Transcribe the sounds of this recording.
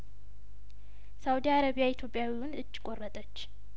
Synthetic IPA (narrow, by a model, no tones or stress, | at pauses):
sawud̪iaɾaβijait̪ʰjo̞pʼjawiwʊnɨt͡ʃːkʼorːət̪ʼət͡ʃː